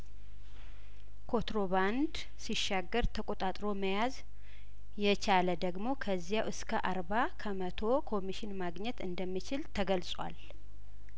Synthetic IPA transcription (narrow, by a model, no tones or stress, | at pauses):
kʰo̞t̪ɾo̞βand̪ | siʃːaɡːəɾt̪ʰəkʼo̞t̪ʼat̪ʼɾo̞məjaz | jɛt͡ʃʰaləd̪əɡmo̞kʰəzːijawʔɨskʰəʔaɾβakʰəmət̪ʰo̞kʰo̞miʃɪnmaɡɲɛt̪ɨnd̪əmːit͡ʃɪlt̪ʰəɡəlsʼwa̰l